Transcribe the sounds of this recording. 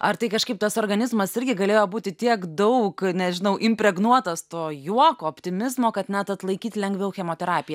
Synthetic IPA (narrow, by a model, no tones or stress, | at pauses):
ɐrt̪ɐɪkɐʃkɐɪp̚t̪ɐsoːrɡɐnʲɪzmɐsɪɾʲɡʲɪɡɐlʲeːjoːbuːt̪ʲɪt̪ʲiɛkd̪ɐʊknʲɛʒʲɪnɐʊʔɪmʲpʲɾʲɛɡnuɔt̪ɐst̪oːjuɔkoːoːpʲt̪ʲɪmʲɪzmoːkɐt̪nʲɛt̪ɐt̪lˠɐɪkʲiːt̪lʲɛŋɡʋʲɛʊxʲɛmoːt̪ʲɛɾɑːpʲɪjɛ